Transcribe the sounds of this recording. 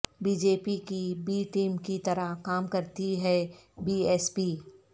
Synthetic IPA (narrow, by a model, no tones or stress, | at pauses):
biːd͡ʒeːpikibiːʈiːmkit̪ɐɾəɦkaːmkɐɾt̪iɦɛbiːɛːspiː